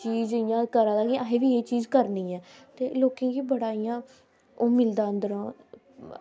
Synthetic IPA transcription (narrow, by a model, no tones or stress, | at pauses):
t͡ʃiːd͡ʒɪjãːkəɾaːd̪ãːɡiaɦẽːʋiːeːt͡ʃiːzkəɾnĩːɛːt̪eːloːkẽːɡiːbəɽaːijãː | oːmɪld̪aːənd̪əɾə̃ː